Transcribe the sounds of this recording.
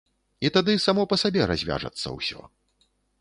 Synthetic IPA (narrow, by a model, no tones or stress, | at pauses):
it̪ad̪ɨsamɔpɐsabʲɛɾa̰zʲvʲa̰ʐɐ̰t̪sːɐ̰wsʲɔ̰